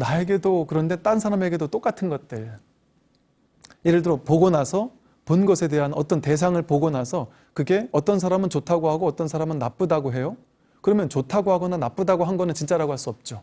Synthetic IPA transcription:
nae̞ɡe̞dokɯɾʌnde̞t͈ans̬ʰaɾame̞ɡe̞dot͈ok͈atʰɯnɡʌt̚t͈ɯɭ | iɾɯɭdɯɾopoɡonasʰʌ | ponɡʌsʰe̞de̞ɦanʌt͈ʌnte̞s̬ʰaŋɯɭpoɡonasʰʌ | kɯɡe̞ʌt͈ʌns̬ʰaɾamɯnt͡ɕotʰaɡoɦaɡoʌt͈ʌnsʰaɾamɯnːap͈ɯdaɡoɦe̞jo | kɯɾʌmjʌnt͡ɕotʰaɡoɦaɡʌnanap͈ɯdaɡoɦanɡʌnɯnt͡ɕint͡ɕ͈aɾaɡoɦaɭs͈uʌp̚t͡ɕ͈o

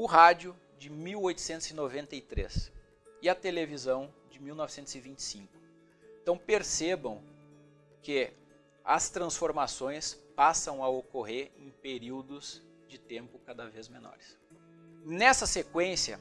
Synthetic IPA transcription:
ʊɦad͡ʒʊ | d͡ʒɪmiwojt̪ʊ̥sẽnt̪ʊz̥ɪnovẽnt̪ɐit̪ɾḛs | ɪɐt̪elevizɐ̃w̃d͡ʒɪmiwnɔvɪsẽnt̪ʊzɪvĩnt͡ʃɪ̥sĩŋkʊ | ẽt̪ɐ̃w̃peɾsebɐ̰̃w̃ | kɪ | ɐst̪ɾɐ̃sfoɾmasõj̃spasɐ̃w̃ɐokoɦeɾẽj̃peɾiwd̪ʊz̥ | d͡ʒɪt̪ẽmpʊkad̪ɐvezmenɔ̰ɾɪs | nɛsɐsekwẽsjɐ̰

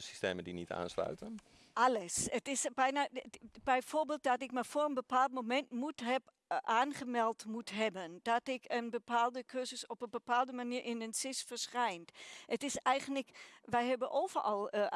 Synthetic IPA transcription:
si̥steːməndinita̰ːnslœ̰ɥtən | ʔɑləsətɪsbɛjnaːb̥ɛjvoːɹbeɪːlˠt̚dɔtɪkməfoːɹənbəpaːlˠt̚momɛntmutɦɛp | ʔaːnχəmɛlˠtmutɦɛbənd̥ɑtɪkənbəpaːlˠdəkʰøzəsɔpəbəpaːlˠdəmaniːɹʔɪnənsɪsfəɹsχɛjntʔətɪsɛjχənləkʋɛjɦɛbənʔoːv̥əɹɑlˠ

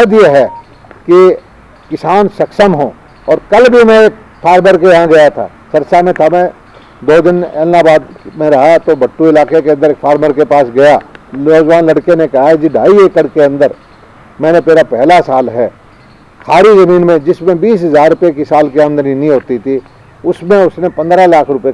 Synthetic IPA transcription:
ɐd̪jeɦɛ | ki | kɪsaːnsɐkʃəmɦõː | ɔːɾkɐlbʱimɛ̃eːk | fʰaːɾməɾkejɦãɡɐjat̪ʰa̰ː | sɐɾsamẽt̪ʰamẽ | d̪oːd̪ɪnɛ̰ːlnabaːd̪mẽɾɐɦat̪obɐʈːuɪlaːkekeɐ̃nd̪əɾeːkfʰaːɾməɾkepaːsɡɐjaoːd͡ʒʋaːnlɐɽkenekɐɦaɦɛd͡ʒiɖʱaːieːkəɽkeɐ̃nd̪əɾ | mɛ̃ːnet̪eːɾapɛɦlasaːlɦɛː | kʰaːɾizɐmiːnmẽd͡ʒɪsmẽbiːs̬ɦɐzaːɾɾʊpjekisaːlkiaːmnd̪əninĩɦoːt̪it̪ʰi | ʊsmẽʊsnepɐ̃nd̪ɾalaːkʰɾʊpe

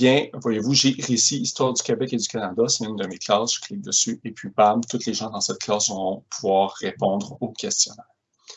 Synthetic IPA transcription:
jɛ̃vwajevuʒeʁesiːst̪wɑːʁd̪ykʲebɛked̪ykanad̪aseynd̪əmekʰlɑːsʒ̥ə̥kʰlɪk̚d̪əsyepʰɥibamt̪ʊt̪leʒɑ̃d̪ɑ̃sɛt̪̚klɑːsvɔʁɔ̃pʰuvwaːʁːepɔ̃d̪ʁokʲɛst̪jɔnɛːʁ

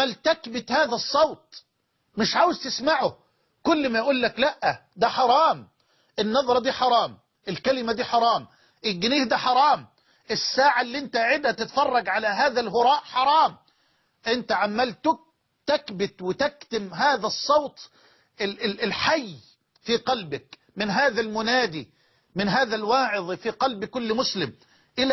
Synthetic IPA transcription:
ælt̪ækbɪt̪haːðæsˤːɑwt̪̚ˤ | mɪʃʕaːwɪzt̪ɪsmaʕʊ | kʊlːmæjʔuːlːæklæʔːæd̪æħɑɾˤɑːm | ʔɪnːɑðˤɾˤɑd̪iːħɑɾˤɑːm | ʔɪlkælɪmæd̪iːħɑɾˤɑːm | ʔɪlɡɪniːhd̪æħɑɾˤɑːm | ɪsːaːʕalːiʔɪnt̪æʕɪd̪hæt̪ɪt̪fɑrˤːɑɡʕalæɦaːðælɦʊɾˤɑːʔħɑɾˤɑːm | ʔɪnt̪aʕamːalt̪ʊk̚ | t̪akbɪt̪wɪt̪akt̪ɪmɦaːðæsˤːɑwt̪ˤ | ɪlħajː | fiːqɑlbɪk | mɪnɦaːðælmʊnaːd̪iː | mɪnɦaːðælwɑːʕɪðˤfiqɑlbkʊlːmʊslɪm | ʔɪl

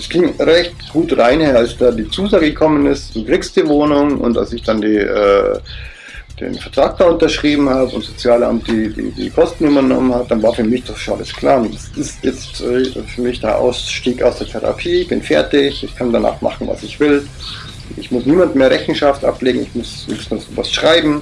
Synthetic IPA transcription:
ɛsɡ̥ɪŋʁɛçtɡ̥uːtʁaɪnheːɐalsd̥aːdiːt͡suːzaːɡəɡəkʰɔmənɪstd̥uːkʁ̥iːkst̚d̥iːvoːnʊŋʔʊ̰nta̰lsɪçd̥andiːʔɛ̰ː | d̥ḛːnfɛɐtʁ̥aːk̚d̥aːʊntɐʃʁ̥iːbm̩haːbəʊntz̥ot͡sjaːlʔa̰mt̚d̥iːdḭːdḭːkʰɔstn̩ybɐnɔ̰mənhat̚d̥anvaːɐfyːɐmɪçd̥ɔχʃonʔa̰ləskʰl̥aːɐdasɪstjɛt͡stɛfyːɐmɪçd̥eːɐʔa̰ʊsʃtiːka̰ʊsd̥eːɐtʰeʁa̰pʰiːɪçb̥ɪnfɛɐtɪçɪçkʰandana̰ːχmʔa̰χn̩va̰sɪçv̥ɪl | ʔʊntɪçmʊsniːmandmeːɐʁɛçn̩ʃaftʔa̰pleːɡŋ̩ɪ̰çmʊssmasṵva̰sʃʁ̥aɪbm̩

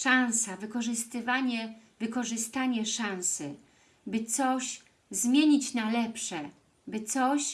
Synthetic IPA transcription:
ʂãñsavɘkɔʐɘst̪ɘvaɲɛvɘkɔʐɘst̪aɲɛʂãñsɘ | bɘt̪sɔɕ | zmʲjeɲit͡ɕnalɛpʂɛ | bɘt̪sɔɕ

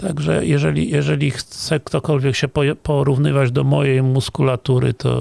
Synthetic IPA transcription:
t̪aɡʐɛ̰jɛʐɛlʲḭjɛʐɛlʲixt̪sɛkt̪ɔkɔlvʲjɛkɕɛpɔpɔɾuvnɘvad͡ʑd̪ɔmɔjejmuskulat̪uɾɘ̰t̪ʰɔ̰

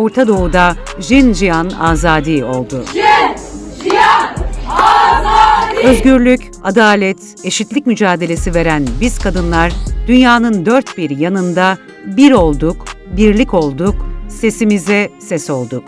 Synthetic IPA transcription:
o̞ɾt̪ʰad̪o̞ud̪a | ʒind͡ʒijanaːzaːd̪iːo̞lˠd̪ʊ | øzɟyɾlʲyc | ad̪aːlʲɛt̪ | e̞ʃit̪lʲicmyd͡ʒaːd̪e̞lʲe̞sive̞ɾænbizkʰad̪ɯnlˠaɾd̪ynjaːnɯnd̪ø̞ɾt̪biɾjanɯnd̪a | biɾo̞lˠd̪ukbiɾlʲico̞lˠd̪ukse̞simizɛsɛso̞lˠd̪ʊk̚

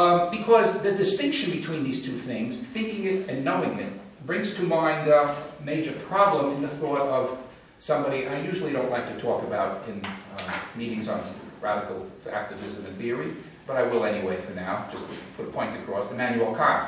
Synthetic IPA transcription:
bɨkʰʌzðɨdɨstɪ̃ŋkʃɨ̃nbɨtʰw̥ĩnðiz̥tʰʉθɪ̃ŋz̥θɪ̃ŋkɪ̃ŋɪɾɨ̃nːoʊɪ̃ŋɪ̰t̚ | b̥ɹɪ̃ŋz̥tʰɨmãɪ̃nmeɪd͡ʒə˞pʰɹ̥ɑblə̃mɨ̃nðɨθɔɹɹʌv̥ | sʌ̃mbɑɾiʔaɪjʉʒl̩ˠiɾõʊ̃nʔlaɪk̚tʰɨtʰɔkɨbaʊɾɪ̃n | miɾɪ̃ŋzn̩ɹæɾɨkl̩ˠæ̰k̚tɨvɪzɨ̃mɨ̃nθɪə˞i | b̥ʌɾaɪwɪlˠɛniweɪfə˞naʊ̥d͡ʒʌspʰʊɾəpʰɔ̃ɪ̃ntɨkʰɹ̥ɔsɨmæ̃njʉl̩ˠkʰɑ

